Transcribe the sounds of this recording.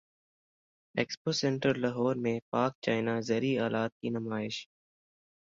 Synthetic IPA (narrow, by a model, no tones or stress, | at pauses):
eːkspoːsẽɳʈəɾlɐɦoːɾmẽpaːk̚t͡ʃaːɪnaːzəɾiaːlaːt̪̚kinʊmaːɪʃ